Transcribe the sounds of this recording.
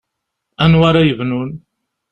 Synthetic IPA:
ænwaɾajəvnun

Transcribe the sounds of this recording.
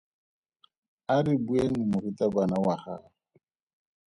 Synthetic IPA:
aɾibuenimʊɾitabanawaχaː | a

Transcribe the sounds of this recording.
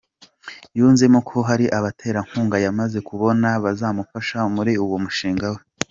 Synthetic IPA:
juːnzemokʰo̞ɦaɾiʔaβatʰe̞ːɾaŋ̥huːŋɡajamaze̞kuβo̞naβazamufaʃamuɾiuwo̞muʃiːŋɡawe

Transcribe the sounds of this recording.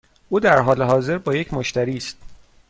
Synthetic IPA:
ʔuːd̪æɾɦɒːleɦɒːze̞ɾbɒːjecʰmoʃt̪æɾiːst̪

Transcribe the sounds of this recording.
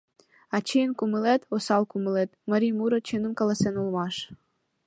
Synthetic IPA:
ɑt͡ɕejənkuməlet̪osɑlkuməlet̪məɾimuɾə̆t͡ɕənə̆mkɑlɑsenulmɑʃ

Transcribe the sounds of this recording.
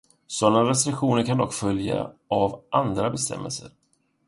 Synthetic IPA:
sɔnːaɾɛs̬t̪ɾɪkɧuːnəɾkʰand̪ɔkːfœlja̰avʔand̪ɾabɛst̪ʰɛ̰mːɛ̰lsə̰ɾ

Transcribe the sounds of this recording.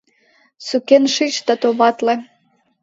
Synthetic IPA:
sukenʃit͡ɕt̪ɑt̪oβɑt̪lĕ

